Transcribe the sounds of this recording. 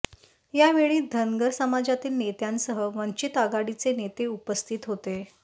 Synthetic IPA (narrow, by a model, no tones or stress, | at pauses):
jaʋeɭiːd̪ʱənɡəɾsəmad͡ʑat̪iːlnet̪jansəɦəʋəɲt͡ɕit̪aɡaɽit͡senet̪eupəst̪ʰit̪ɦot̪e